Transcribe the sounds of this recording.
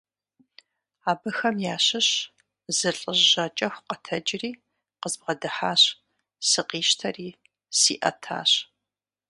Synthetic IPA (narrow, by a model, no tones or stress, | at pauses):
aːbɨxɐmjaːɕɨɕ | zɨɬʼəʑːɐt͡ʃʼɐxʷqɐtʰɐd͡ʒriː | qəzbʁɐdɨħaːɕ | sɨqiːʃtʰɐriː | sḭːʔɐ̰tʰa̰ːɕ